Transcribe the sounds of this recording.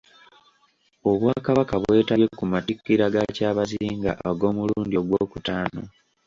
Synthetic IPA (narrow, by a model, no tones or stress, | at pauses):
o̞βwakaβakaβwe̞ːtaekumatikːiɾaɡacaːβaziiːŋɡa̰ʔaɡo̞ːmuluːndioɡwo̞ːkutaːno̞